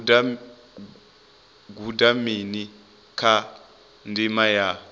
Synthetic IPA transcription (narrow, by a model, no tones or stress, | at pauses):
ɡudamini | kʰa | ndimaja